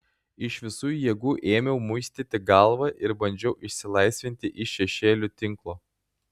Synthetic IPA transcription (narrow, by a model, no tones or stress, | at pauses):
ɪʃʋʲɪsuːjjɛɡuːʔeːmʲɛʊmʊɪsʲt̪ʲet̪ʲɪɡɑˑlˠʋɐʔɪɾbɐnʲd͡ʒʲɛʊʔɪʃʲsʲɪlˠɐɪsʲʋʲɪnʲt̪ʲɪʔɪʃʲɛʃʲeːlʲʊt̪ʲɪŋklˠoː